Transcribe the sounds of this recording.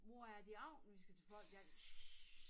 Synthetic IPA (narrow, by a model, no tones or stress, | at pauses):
ʋoæɐd̥iɑʊ̰nʋisɡ̥æt͡sʰefɒl̰ɡ̥æ